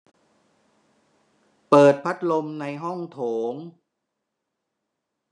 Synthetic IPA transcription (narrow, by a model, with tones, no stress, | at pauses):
pɤː˨˩t̪̚pʰa˦˥t̪̚lo˧mna˧jɦɔ˥˩ŋt̪ʰoː˩˦ŋ